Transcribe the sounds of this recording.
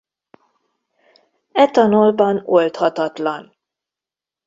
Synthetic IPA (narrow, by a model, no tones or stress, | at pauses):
ɛt̪ɒnolbɒnolt̪hɒt̪ɒt̪lɒn